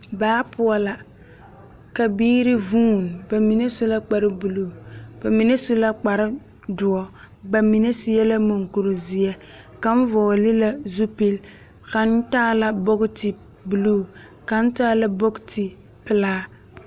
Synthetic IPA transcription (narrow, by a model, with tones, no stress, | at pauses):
baː˨˦pʰʊ˦ɔ˨la˨ | ka˨biː˦ɾɪ˦vuː˦˨n˨ba˨mi˨ne˦su˦la˦k͡pa˨ɾɪ˦bu˨luː˦˨ | b̥a˨mi˨ne˦su˦la˦k͡pa˨ɾɪ˦ | dʊ˨ɔ˦ | ba˨mi˨ne˦sɪ˦jɛ˦la˦mo˨ŋku˨ɾo˨zi˨ɛ˦ | ka˨ɱ˦vɔ˨lɪ˦la˨zu˦pi˦l | ka˨n˦taː˦la˨bo˦ɡtɪ˨ | bu˨luː˦˨ | ka˨n̩˦taː˦la˨bo˦ktʰɪ˨ | pɪ˨laː˦